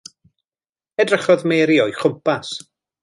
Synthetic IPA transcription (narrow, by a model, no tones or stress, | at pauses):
ɛdrəχɔðmeːɾiɔjχʊmpʰas